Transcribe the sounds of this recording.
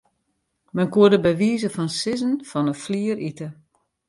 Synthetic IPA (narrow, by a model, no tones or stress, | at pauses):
mɛnkuədəbɛʋiːzəfɔnsɪzənfɔnəfliərʔitə